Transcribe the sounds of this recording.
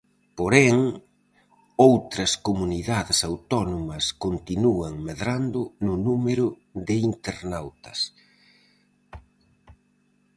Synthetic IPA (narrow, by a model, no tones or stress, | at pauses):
poɾɛŋ | owt̪ɾɐskomuniðaðɪsawt̪ɔnomɐskont̪inuɐŋmeðɾand̪ʊnʊnumeɾʊ | ðɪint̪eɾnawt̪ɐ̥s